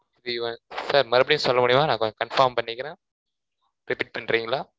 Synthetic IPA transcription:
ʋiʋɐ̃saːɾmɐɾɐpːɐɽɪ̃nsɔlːɐmuːɽɪjmaːnãːkɔkɐnfaːɾmpɐɳːɪkːɐɾẽː | ɾɪpiːʈ̚pɐɳːɾiːŋɡɐlaː

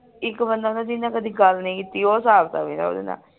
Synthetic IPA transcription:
ɪkbənd̪aːnãːd͡ʒinãːkəd̪iːɡəlnəĩːkit̪iːoːsaːbt̪ã̰ːbẽːna̰o̰ːd̪ḛːnã̰ː

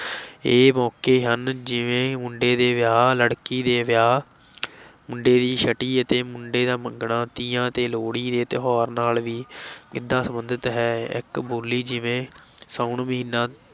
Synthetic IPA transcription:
eːmɔːkeːɦənd͡ʒɪʋẽːmʊɳɖeːd̪eːʋɪjaːləɽkiːd̪eːʋɪjaː | mʊɳɖeːd̪iːʃəʈiːət̪eːmʊɳɖeːd̪aːməŋɡɳaːt̪iːjãːt̪eːloːɽiːd̪eːt̪ɪɦɔːɾnaːlʋiːɪd̪ːaːsəmənd̪ət̪ɦɛːɪ̰kboːlːiːd͡ʒɪʋẽːsaːʊɳməɦĩːnːãː

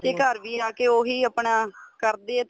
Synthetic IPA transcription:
t̪eːkəɾʋiːaːkeːoːɦiːəpɳaːkəɾd̪eːɛː

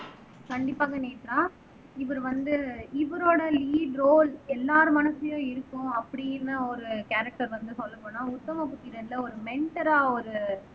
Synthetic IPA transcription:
kɐɳɖɪpːaːɣɐneːpːɪɾãː | ɪʋɐɾɯʋɐnd̪ɯɪʋɐɾoːɽɐliːɖɾoːlɛlːaːɾɯmɐnɐsɐjʊ̃ɪɾɯkːʊ̃ɐpːɐɽɪjɪnɐɔɾɯkaːɾɐk̚ʈɐɾʋɐnd̪ɯsɔlːɐpːoːnaːʊt̪ːɐmɐpʊt̪ːɪɾɐlːɐɔɾɯmɛɳʈɐɾaːɔɾɯ

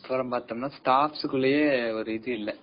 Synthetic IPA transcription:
pɐɾɐmaːt̪ːɐmnaːsʈaːfsɯkːɯɭːɐjeːɔɾɯɪðɯɪlːɛ

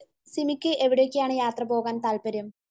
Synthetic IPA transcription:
simikʲːɨʔe̞ʋiɽejokːejaːɳɨjaːt̪rɐbo̞ːɣaːnt̪aːlpɐɾjɐm

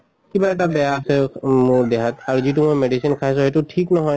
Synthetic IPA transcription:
kibaɛʈabɛjaːsɛmʊɹd̪ɛkʰataɹuzitumojmeɖisinkʰajs̬ʊ̃ɦetutʰiknɔɦɔj

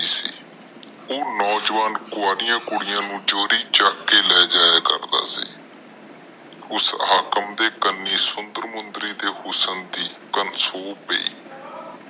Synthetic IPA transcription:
iːsḭː | oːnɔːd͡ʒʋaːnkʊaːɾɪjãːkʊɽɪjãːnũːd͡ʒoːɾiːt͡ʃaːkːeːlɛːd͡ʒaːjaːkə̰ɾd̪a̰ːsḭː | ʊsaːkəmd̪eːkənːiːsʊnd̪əɾmʊnd̪ɾiːd̪eːhʊsənd̪iːkənsoːpḛḭː

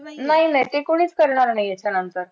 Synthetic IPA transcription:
naɦinaɦit̪ekuɽiːt͡skəɾɳ̃aɾnaɦiat͡ɕʰanənt̪əɾ

